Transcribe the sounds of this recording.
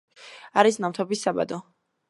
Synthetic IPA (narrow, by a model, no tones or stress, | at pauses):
aɾisnamt̪ʰɔbisːaba̰d̪ɔ